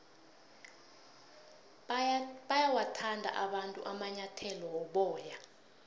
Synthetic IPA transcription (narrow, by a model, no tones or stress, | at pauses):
ɓajawatʰandʱa̰ʔaɓantʼuʔamaɲatʰɛlɔwɔɓɔːja